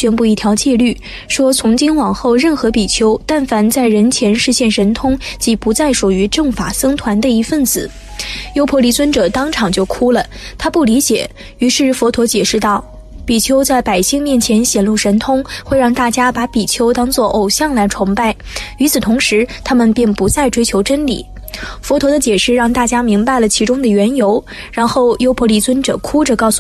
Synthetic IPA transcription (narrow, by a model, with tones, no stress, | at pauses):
ɕɥɛ˥npu˥˧i˥˩t̪ʰjɑ˧˥ʊt͡ɕjɛ˥˧ly˥˩ | ʂwɔ˥t͡sʰʊ˧˥ŋt͡ɕi˥ŋwɑ˨˩ŋxo˥˧ʊɻə˥˩nxɤ˧˥pi˨˩t͡ɕʰjo˧˥ʊt̪a˥˩nfa˧˥nt͡sa˥˩ɪɻə˧˥nt͡ɕʰjɛ˧˥nʂɻ̩˥˧ɕjɛ˥˩nʂə˧˥nt̪ʰʊ˥ŋt͡ɕi˧˥pu˧˥t͡sa˥˩ɪʂu˨˩y˧˥ʈ͡ʂɤ˥˩ŋfa˨˩sɤ˥ŋt̪ʰwa˧˥nd̪ə˧i˧˥fə˥˩nt͡sɹ̩˨˩˦ | jo˥ʊpʰwɔ˧˥li˧˥˩t͡swə˥nʈ͡ʂɤ˨˩t̪ɑ˥ŋʈ͡ʂʰɑ˨˩ŋt͡ɕjo˥˩ʊkʰu˥lə˨ | t̪ʰa˥pu˥˩li˧˥t͡ɕjɛ̰˨˩˦ | y˧˥ʂɻ̩˥˩fɔ˧˥t̪ʰwɔ˧˥t͡ɕjɛ˨˩ʂɻ̩˥˧t̪ɑ˥˩ʊ | pi˨˩t͡ɕʰjo˧˥ʊt͡sa˥˩ɪpa˨˩ɪɕi˥˧ŋmjɛ˥˩nt͡ɕʰjɛ˧˥nɕjɛ˨˩nlu˥˩ʂə˧˥nt̪ʰʊ˥ŋxwe˥˧ɪɻɑ˥˧ŋt̪a˥˩t͡ɕja˥pa˧˥pi˨˩t͡ɕʰjo˧˥ʊt̪ɑ˥ŋt͡swɔ˥˩ʔo˨˩ʊɕjɑ˥˩ŋla˧˥ɪʈ͡ʂʰɑ˧˥ŋpa˥˩ɪ | y˧˥t͡sʰɹ̩˨˩t̪ʰʊ˧˥ŋʂɻ̩˧˥t̪ʰa˥mə˨npji˥˩ŋpu˧˥t͡sa˥˩ɪʈ͡ʂwe˥ɪt͡ɕʰjo˧˥ʊʈ͡ʂə˥nlḭ˨˩˦ | fɔ˧˥t̪ʰwɔ˧˥d̪ə˧t͡ɕjɛ˨˩ʂɻ̩˥˩ɻɑ˥˩ŋt̪a˥˩t͡ɕja˥mi˧˥ŋpa˥˩ɪlə˩t͡ɕʰi˧˥ʈ͡ʂʊ˥ŋd̪ə˨ɥɛ˧˥njo˧˥ʊ | ɻa˧˥nxo˥˩ʊjo˥ʊpʰwɔ˧˥li˧˥t͡swə˥nʈ͡ʂɤ̰˨˩kʰu˥ʈ͡ʂə˨˩kɑ˥˧ʊsu˨